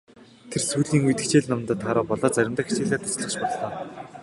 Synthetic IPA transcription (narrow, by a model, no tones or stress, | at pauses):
t̪ʰersuːɮiːŋujt̪ɘ̆kt͡ɕeːɮnɔmnt̪əːt̪ʰaːɾɔːpɔɮɔːt͡sæɾʲɪ̆mt̪ə̆xit͡ɕeːɮaːt̪ʰʊ̥sɮə̆χt͡ɕpɔɮːɔː